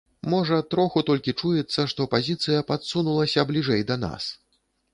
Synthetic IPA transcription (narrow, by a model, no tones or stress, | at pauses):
mɔʐɐt̪ɾɔxut̪ɔlʲkʲit͡ʂujɛt̪sːɐʂt̪ɔpazʲit̪sɨjɐpat̪sunulˠɐsʲɐblʲiʐɛjd̪ɐn̪a̰s